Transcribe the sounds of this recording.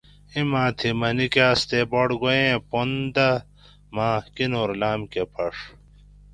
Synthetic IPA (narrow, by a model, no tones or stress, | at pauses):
imãːt̪ʰimɐnikeːst̪eboɽɡojẽpond̪ɐ | mãːkinoːɾlaːmkepʰɐʂ